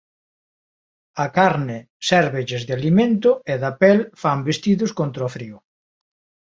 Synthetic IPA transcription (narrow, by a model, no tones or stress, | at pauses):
ɐkaɾnɪ | sɛɾβeʎezðɪalimẽnt̪ʊeðapɛlfambest̪iðʊskont̪ɾofɾiʊ